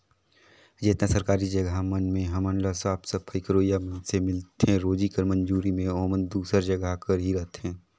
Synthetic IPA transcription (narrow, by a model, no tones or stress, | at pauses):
d͡ʒeːt̪nasɐɾkaːɾid͡ʒɐɡʱamɐnmẽɦɐmənlasaːpsəpʰəɪkɾoːjamənsemɪlt̪ɦɛ̃ɾoːd͡ʒikəɾmɐ̃nd͡ʒuːɾimẽɔːmənd̪uːsəɾd͡ʒɐɡakəɾɦiɾɐɦt̪ɦɛ̃ː